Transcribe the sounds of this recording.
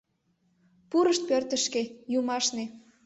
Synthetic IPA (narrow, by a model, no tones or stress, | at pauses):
puɾəʃt̪̚pørt̪ə̆ʃkejumɑʃne